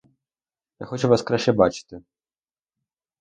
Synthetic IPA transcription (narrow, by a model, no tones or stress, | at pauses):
jaxɔt͡ʃɛvaskɾaʃɛbat͡ʂɨ̥t̪ɨ